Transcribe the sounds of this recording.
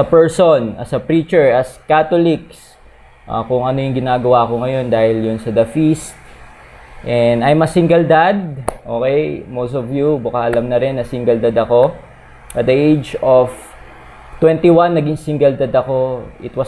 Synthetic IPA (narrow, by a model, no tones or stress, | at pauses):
sɐpɛɹsonɐ̰sɐpɹiːt͡ʃɛɹɐskat̪olɪks | ʔa̰kʊŋʔɐnojʊŋɡɪnaːɡɐwaːko̞ŋɐjo̞nd̪aːhɪljʊnsɐd̪ɐfist̪̚ | ʔɛnd̪ɐjmɐsiŋɡɐld̪ad̪̚ʔoːkɛjmowst̪ovjubʊkɐʔɐlɐmnɐɾɛnːɐsiŋɡɐld̪ad̪ɐko̞ | ʔɐt̪̚d̪ɐʔejd͡ʒov | t̪wɛ̃nt̪iwanːɐɡɪŋsiŋɡɐld̪ad̪ɐko̞ʔɪ̰t̪wɐ